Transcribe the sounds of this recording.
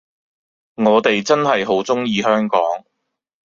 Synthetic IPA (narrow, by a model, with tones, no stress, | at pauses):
ŋɔː˨˧t̪e˨jt͡sɐ˥nɦɐ˨jɦo˨˥wt͡sʊ˥ŋjiː˧ɦœː˥ŋkɔː˨˥ŋ